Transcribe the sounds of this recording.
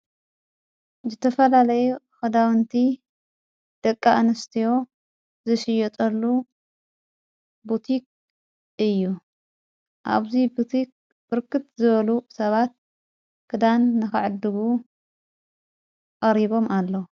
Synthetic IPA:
zɨt̪ʰɐfɐlalɐjuxɐd̪awɨnt̪ʰi | d̪̥ɐkʼːaʔanɐst̪ʰijo̞ | zɨʃɪjɛt̪ʼɐlːu | but̪ʰik̚ | ɨjːu | ʔa̰βzibɨt̪ik | bɨɾkʰɨt̪zɨβɐlusɐβat̪̚ | kʰɨd̪anːɨxɨ̰ʕɨd̪ːɨɡu | qʼɐɾiβo̞malːɐwu

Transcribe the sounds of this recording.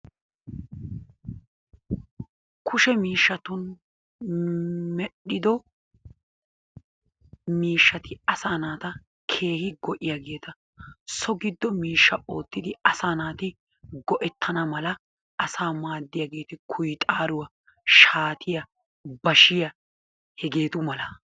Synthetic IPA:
kʰʊʃɛmiːʃːɐt̪ʊn | mɛɗːɪd̪ɔ | miːʃːɐt̪ɪɐsaːnaːt̪ɐ | kʰe̞ːhɪɡɔʔɪjaɡe̞ːt̪ʰɐ | sɔɡɪd̪ːɔmiːʃːɐʔo̞ːt̪ːɪd̪ɪɐsaːnaːt̪ɪ | ɡɔʔɛt̪ʰːɐnɐmɐlɐ | ɐsaːmaːd̪ːɪjaɡe̞ːt̪ɪkʰʊjt̪ʼaːɾʊwɐ | ʃaːt̪ʰɪjɐ | bɐʃɪjɐ | hɛɡe̞ːt̪ʊmɐlɐ

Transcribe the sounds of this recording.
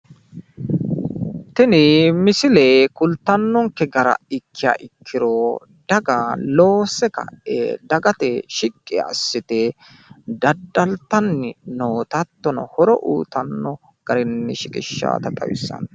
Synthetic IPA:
t̪ɪnɪmɪsɪleːkʊlt̪ːɐnːɔŋkɛɡɐɾɐ̰ɪkʰːɪja̰ːʔɪkʰːɪɾo | d̪̥ɐɡalo̞ːsɛkɐ̰ḛd̪ɐɡɐt̪ɛʃɪkʼːɪ̰ːsːɪt̪ɛ | d̪ɐd̪ːɐlt̪ːɐnːɪnoːt̪ɐt̪ːɔnɐhɔɾɔʔṵːt̪ɐnːɔ | ɡ̥ɐɾɛnːɪʃɪkʼɪʃːa̰ːt̪ɐt̪ʼɐ̰wɪ̰sːɐ̰n

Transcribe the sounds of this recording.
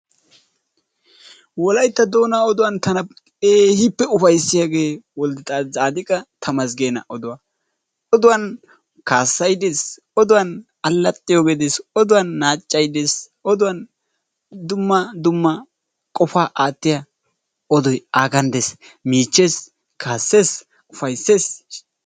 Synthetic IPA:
wɔlɐjt̪ːɐd̪o̞ːnaɔd̪ʊwɐnt̪ɐnɐ | eːhɪpːɛʊfɐjsːɪjaːɡe̞ːwɔld̪ɪt̪ʼaːaːd̪ɪkʼɐt̪ʰɐmɐsɡe̞ːnɐ̰ʔɔd̪ʊwɐ | ɔd̪ʊwɐn | kaːsːɐjd̪eːs | ɔd̪ʊwɐn | ɐlːɐt̪ʼːɪjoɡed̪esɔd̪ʊwɐnːaːt͡ʃʼːɐjd̪eːs | ɔd̪ʊwɐn | d̪ʊmːɐd̪ʊmːɐ | kʼɔfaːʔaːt̪ːɪja | ɔd̪ɔjaːɡɐnd̪esmiːt͡ʃːeːs | kʰaːsːeːs | ʊfɐjsːe̞ːs

